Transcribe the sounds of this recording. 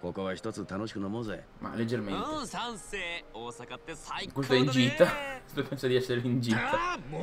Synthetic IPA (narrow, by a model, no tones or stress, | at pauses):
kokoβaçi̥t̪ot͡sɨt̪anoɕi̥kɯ̟nomoze | ma̰led͡ʒːerment̪e | s | kwes̬t̪oɛiɲd͡ʒiːt̪aest̪opɛnsad̪iɛsːeɾeiɲd͡ʒiːt̪a